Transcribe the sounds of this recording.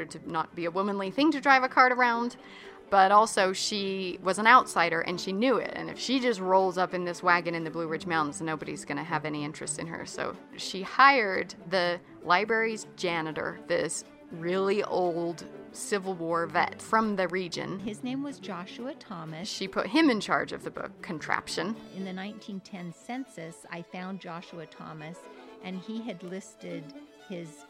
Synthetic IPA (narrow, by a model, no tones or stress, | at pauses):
ə˞d̚tʰɨnət̚b̥iɨwʊmə̃nliθɪ̃ŋtʰɨdɹaɪvɨkʰɑɹɾə˞ãʊ̃n | b̥ʌɾɔlˠsoʊʃiwʌzn̩aʊtsaɪɾə˞ʔɨ̰̃nʃinjʉɪ̰tɨ̰̃nɨ̰fʃid͡ʒʌst̚ɹoʊlˠzʌpɨ̃nðɪswæɡɨ̃ñɨ̃nðɨblʉɹɪd͡ʒmãʊ̃n̩znoʊbɨɾḭzɡʌñɨɨvɛñiɪ̃nt͡ʃɹ̥ɨstsɨ̰̃nə̰˞so̰ʊʃihaɪə˞d̪̚ðɨ | laɪbɹɛɹizd͡ʒænɨɾə̰˞ðɪs | ɹɪlˠiʔoʊlˠd̥sɪvl̩ˠwɔɹvɛ̰tfɹʌ̃mðɨɹid͡ʒɨ̰̃nɪznẽɪ̃mwʌzd͡ʒɑʃuɨtʰɑmɨʃipʰʊ̰t̚ɦɨ̃mɨ̃nt͡ʃʰɑ̰ɹd͡ʒʌvðɨbʊ̰kʰːɨ̃n̩tʰɹ̥æ̰pʃɨ̃nɨ̃nðɨnãɪ̃ntʰĩntʰɛ̃nsɛ̃nsɨsa̰ɪfãʊ̃nd͡ʒɑʃuɨtʰɑ̰mɨsʔɨ̃niɨdˡlɪstɪd | ɪz̥